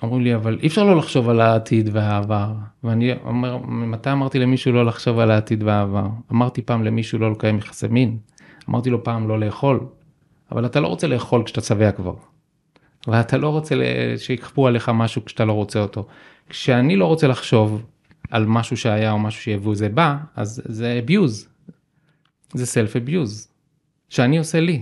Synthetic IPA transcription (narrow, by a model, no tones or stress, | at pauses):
omʁimliavalʔḭfʃaʁlo̞laχʃo̞valaːtʰid̪veavaʁveanio̰meʁmat̪ajamaʁt̪ilemiʃulo̞laχʃo̞valaːt̪id̪veaːvaʁamaʁt̪ipaːmle̞miʃulo̞lokajamiχḁsemin | amʔa̰ʁt̪ilo̞paːmlo̞le̞ːχo̞l | a̰valat̪alo̞ʁot͡seleːχo̞lkʃat̪at͡saveakva̰ʁ | valatʰalo̞ʁot͡sḛʃeikχpuale̞χamaʃukʃat̪alo̞ʁo̞t͡seo̞to̞ | kʃeanilo̞ʁo̞t͡se̞laχʃo̞v | almaʃuʃeajao̞maʃu̥ʃejavuzebaa̰zːebjuz | zeselfebjuz | ʃeanio̞se̞li